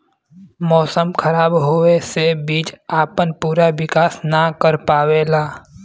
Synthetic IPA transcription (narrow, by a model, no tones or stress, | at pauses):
mɔːsəmkʰɐɾaːbɦoːesebiːt͡ʃaːpənpuːɾaʋɪkaːsnakəɾpaːweːlaː